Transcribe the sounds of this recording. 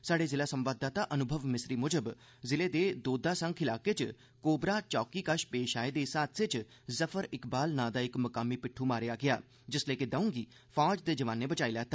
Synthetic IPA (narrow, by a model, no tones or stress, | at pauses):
saːɖeːzɪlaːsəmʋaːd̪aːt̪ãːʔənʊbʱəʋmɪsɾiːmʊd͡ʒəb | zɪleːd̪eːd̪oːd̪aːsə̃ŋkʰɪlaːkeːt͡ʃ | koːbɾaːt͡ʃɔːkiːkəʃpeːʃaːed̪eːsaːt̪ʰsɪt͡ʃ | zəfʰəɾɪkbaːlnãːd̪aːɪkməkaːmiːpɪʈʰːuːmaːɾejaːɡɪjaː | d͡ʒɪsləːkɪd̪əũːŋɡiː | pʰaːd͡ʒd̪eːd͡ʒəʋaːnːeːbət͡ʃaːiːlɛːt̪aː